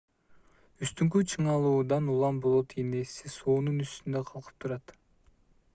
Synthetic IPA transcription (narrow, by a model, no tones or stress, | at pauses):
yst̪yŋk̬yt͡ʃʰɯɴɑlˠuːd̪ɑnulˠɑmbo̞lˠot̪ʰinesisoːnunyst̪ynd̪øqʰɑlˠqʰɯ̥p̚t̪ʰuɾɑt̪